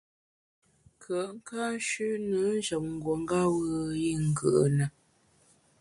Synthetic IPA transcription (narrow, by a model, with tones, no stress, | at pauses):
kʰə˨ʔŋ̩˦ka˦n˦ʃʉ˦nə˨˦n̩˦d͡ʒə˨ŋ̩˨ɡwo˨ŋ̩˦ɡa˦wə˦ji˦˨ŋ̩˨ɡə̰˨ʔə˨nə˨